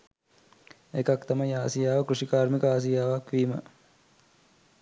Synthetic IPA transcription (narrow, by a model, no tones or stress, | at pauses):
ekakt̪amɐjaːsijaːʋəkɾuʂikaːɾmikəaːs̬ijaːʋakʋiːmə